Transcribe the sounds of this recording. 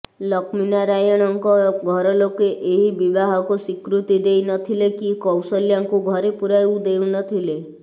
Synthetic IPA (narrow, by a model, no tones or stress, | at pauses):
lɔkminaɾajɔɽ̃ɔŋkɔɡʱɔɾɔlokeʔeɦibibaɦɔkusikɾut̪id̪ejnɔt̪ʰilekikɔwsɔljaŋkuɡʱɔɾepuɾajwud̪ewnɔt̪ʰile